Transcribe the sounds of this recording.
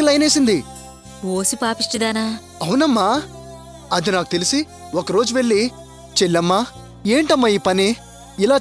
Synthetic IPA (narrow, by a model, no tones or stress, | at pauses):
lɐjne̞ːsind̪i | oːsipaːpiʂʈid̪aːnaː | ɐwunɐmːaː | ɐd̪inaːku̥t̪elisi | ɔkɐɾo̞ːd͡ʒuʋe̞ɭːi | t͡ʃeɭːɐmːaː | e̞ːɳʈɐmːaːiːpɐni | ilaː